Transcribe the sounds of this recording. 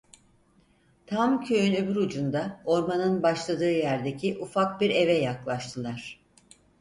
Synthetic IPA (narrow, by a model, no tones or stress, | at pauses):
t̪ʰamcʰø̞jynøbyɾud͡ʒund̪ao̞ɾmanɯnbaʃlˠad̪ɯːjæɾd̪e̞cʰiʔufak̚biɾe̞vɛjaklˠaʃt̪ʰɯlˠaɾ̥